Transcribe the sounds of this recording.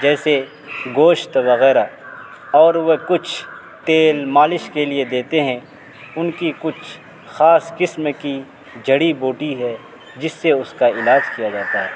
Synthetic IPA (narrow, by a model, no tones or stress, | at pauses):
d͡ʒɛːse | ɡoːʃt̪ʋɐɣɛːɾa | ɔːɾʋekʊt͡ʃʰ | t̪eːlmaːlɪʃkelied̪eːt̪eɦɛ̃ | ʊnkikʊt͡ʃʰ | xaːskɪsmki | d͡ʒʱɐɽiboːʈiɦɛ | d͡ʒɪsːeʊskaɪlaːd͡ʒkijad͡ʒaːt̪aɦɛː